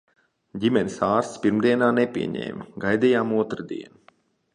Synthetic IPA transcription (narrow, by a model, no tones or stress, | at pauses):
ɟʲimɛnʲisaːɾst̪ʲspiɾmd̪iɛnaːnepʲḭɛɲḛːmʲiɡajd̪ijaːmuɔt̪ɾɨd̪ḭɛnu